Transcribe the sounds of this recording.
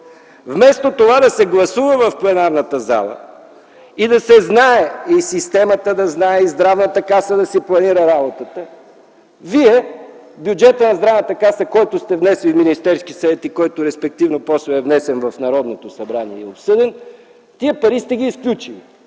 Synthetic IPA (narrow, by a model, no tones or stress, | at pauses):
vmɛst̪ot̪ovad̪ɐsɛɡlˠɐsuvəvɐfplˠɛnaɾnət̪əza̰lˠə̰ | id̪ɐsɛznaɛisist̪ɛmət̪əd̪ɐznaɛizd̪ɾavnət̪əkasəd̪ɐsɛplˠɐniɾəɾabot̪ət̪ə | viɛ | bʲjud͡ʒɛt̪ənɐzd̪ɾavnət̪əkasəkɔjt̪ʊst̪ɛvnɛsliminist̪ɛɾsk̟isɐvɛt̪ikɔjt̪ʊɾɛspɛk̚t̪ivnopɔsɛɛvnɛsɛnvɐfnɐɾɔd̪not̪osɐbɾaniɛɛopsɤd̪ɛn | t̪iəpɐɾist̪ɛɡ̟ʲiːsklʲut͡ʃili